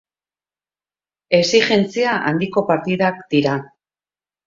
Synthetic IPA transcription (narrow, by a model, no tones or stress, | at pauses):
e̞siʝe̞nt͡siaʔa̰nd̪iko̞paɾt̪iðakd̪̥iɾa